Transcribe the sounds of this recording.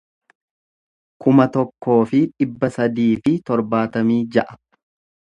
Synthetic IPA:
kʊmɐt̪ɔkːo̞ːfɪᶑɪbːɐsɐd̪iːfɪt̪ɔɾbaːt̪ɐmiːd͡ʒɐʔɐ̥

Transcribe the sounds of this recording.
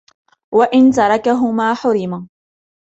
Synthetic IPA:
waʔɪnt̪ɑɾˤɑkaɦʊmaːħʊɾɪma

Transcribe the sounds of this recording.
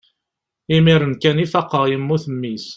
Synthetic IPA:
imiɾənkænifɑqːəʁjəmːuθəmːis

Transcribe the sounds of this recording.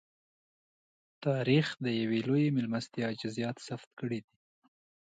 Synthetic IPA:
t̪ɑɾixd̪əjawelojemɪlmast̪jɑd͡ʒɪzjɑt̪saft̪kəɽid̪i

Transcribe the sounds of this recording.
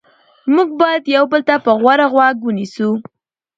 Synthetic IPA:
muɡ̚bɑjad̪jawbəlt̪apəɣwaɾaɣwaɡwənisu

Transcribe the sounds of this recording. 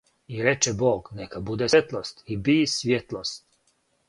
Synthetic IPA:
iɾɛt͡ʃɛboːɡnɛkabud̪ɛt̪lˠost̪ibisvʲʋjet̪lˠost̪

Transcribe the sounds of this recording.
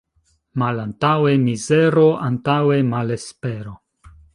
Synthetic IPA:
malantawemizeɾo̞ʔantawemalespeɾo̞

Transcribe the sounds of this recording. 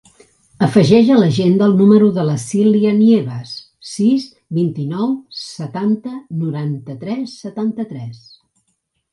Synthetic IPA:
əfəʒɛʒələʒend̪əlˠnuməɾuðələsiliənieβəs | sis | βint̪inɔwsət̪ant̪ənuɾant̪ət̪ɾɛsːət̪ant̪ət̪ɾɛs

